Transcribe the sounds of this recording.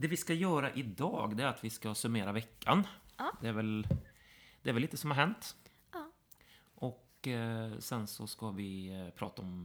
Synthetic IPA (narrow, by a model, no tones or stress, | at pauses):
d̪ɛvɪskajœːɾaʔɪd̪ɑ̰ːɡd̪ɛæɾat̪vɪskasɵmeːɾavɛkʰːa̰nd̪ɛæɾvɛl | d̪ɛɾvlːiːt̪əsɔmhaɾɦɛnt̪ | ʔɔk | sɛnsɔskavɪpʰɾɑ̰ːt̪aɔm